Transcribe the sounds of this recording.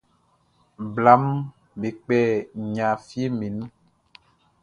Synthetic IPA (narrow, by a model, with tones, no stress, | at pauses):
bla˨˦m | be˨k͡pɛ˦˨ɲã˨fi˦e˦me˨nũ˦